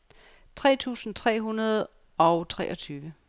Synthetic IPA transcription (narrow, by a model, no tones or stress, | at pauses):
t͡sʰʁɛ̰ːt͡sʰṵːsn̩t͡sʰʁɛ̰ːɦunɐð̞̩ˠ | ɒ̽ʊt͡sʰʁɛːʔɒ̽t͡sʰyːʋə